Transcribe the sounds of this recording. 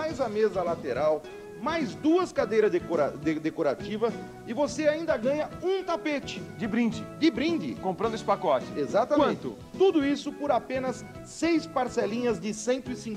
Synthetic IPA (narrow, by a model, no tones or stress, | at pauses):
ajzɐmezɐlat̪eɾaw | majzd̪uɐskad̪ejɾɐkoɾad̪ed̪ekoɾat͡ʃivɐ | ɪvoseaĩnd̪ɐɡɐ̃ɲɐũt̪apet͡ʃɪd͡ʒɪbɾĩd͡ʒɪd͡ʒɪbɾĩnd͡ʒɪ̰kõmpɾɐ̃nd̪esɪpakɔt͡ʃɪ̥ezat̪ɐɐ̃ẽñt̪ʊ̰ | t̪ud̪ʊisʊpoɾapẽnɐsː | ejspaɾselĩɲɐzd͡ʒɪsẽnt̪ʊɪsĩ